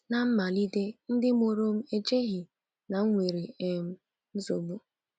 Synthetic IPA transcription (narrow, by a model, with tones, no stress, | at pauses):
na˨m̩˦ma˨li˦de˦n̩˦dɪ˦m˦o˨ɾo˦m̩˦e˨t͡ʃe˦ɣɪ˨ | na˨ŋ̩˦ŋʷe˨ɾi˨e˨m̩˦ | n̩˦zo˨bu˦